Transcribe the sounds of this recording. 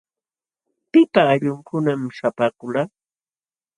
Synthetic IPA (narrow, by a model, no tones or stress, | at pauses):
pɪt̪aːʎʊŋkʊnamʃapakʊlaː